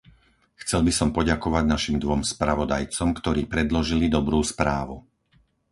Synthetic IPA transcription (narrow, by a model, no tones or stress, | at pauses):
xt͡sɛlbisɔmpɔɟakɔʋaɟnaʃimd̪ʋɔmspɾaʋɔd̪ajt͡sɔmkt̪ɔɾiːpɾɛd̪lɔʒilid̪ɔbɾuːspɾaːʋu